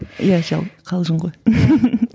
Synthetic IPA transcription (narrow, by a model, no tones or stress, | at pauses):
jaʒɑ̰lˠqʰɑlˠʒəɴʁoj